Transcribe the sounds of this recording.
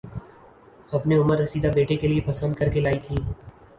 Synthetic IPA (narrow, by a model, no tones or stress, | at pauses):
ɐpneʊməɾːɐsiːd̪abeːʈekeliepɐsənd̪kɐɾkelaːit̪ʰiː